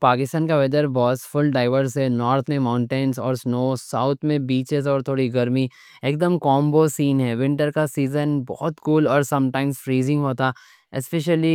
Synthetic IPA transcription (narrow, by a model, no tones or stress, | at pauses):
paːkɪst̪aːnkaʋɛd͡ʒəɾbɔːsfʊlɖaːɪʋəɾsɦɛnɔːɾt̪ʰmẽmãʊ̃ɳʈenzɔːɾsnoːsaʊt̪ʰmẽbiːt͡ʃɪzɔːɾt̪ʰoːɽiɡɐɾmi | eːkd̪əmkɔːmbosiːnɦɛːʋɪ̃ɳʈəɾkasiːzənbɔ̰ːt̪kuːlɔːɾsɐ̃mʈãːɪmzfɾiːzɪ̃ŋɡɦoːt̪a | ɪspeʃəli